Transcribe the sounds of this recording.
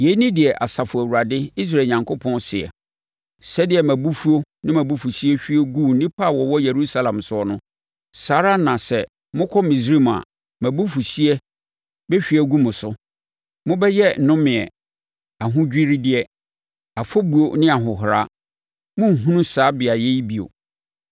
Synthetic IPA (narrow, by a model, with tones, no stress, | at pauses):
je˨˦nĩ˦dɪ˨ɛ˨ʔa˨sa˨fʊ˨æ˨wu˨ɾa˨dɪ˦i˦s̬ɾaː˨ɲã˨ŋkʰo˦pʰɔ̃˦nsɪ˨ɛ̰˨ | sɛ˦dɪ˨ɛ˨mæ̃˨bu˦fu˦o˦nɪ̃˦mæ̃˨bu˦fu˨ɕi˦ɛ˦ɕᶣi˦ɛ˦ɡu˦˨n̩˦nĩ˦pʰa˦˨wɔ˨wɔ˦je˨ɾu˦sa˦lã˨msʊ˦ɔ˨nʊ̃˦ | saː˦ɾa˦nã˨sɛ˨ | mʊ̃˦kʰɔ˦mĩ˨s̬i˦m˨a̰˨ | mæ̃˨bu˦fu˨ɕi˦ɛ˦ | bɛ˦ɕᶣi˦ɛ˦ɡu˦mʊ̃˨sʊ˦ | mʊ̃˦bɛ˦jɛ˦n̩˨nʊ̃˦mɪ̃˨ɛ̰˨ | a˨ɦʊ̃˦d͡ʑᶣi˦ɾi˦dɪ˦ɛ˦ | a˨fɔ˦bu˨o˨nɪ̃˦a˨ɦʊ˨ɦʊ˨ɾa̰˦ | mʊ̃˦ŋ̩˨ɦũ˦nũ˦saː˨˦bɪ˨a˨je˦i˦bi˨o̰˨